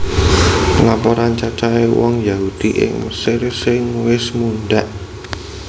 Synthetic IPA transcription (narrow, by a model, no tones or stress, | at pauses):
lapɔɾant͡ʃat͡ʃaewɔ̰ŋjaɦud̪̥iʔɪ̰ŋməsɪrsɪŋwɪsmunɖaʔ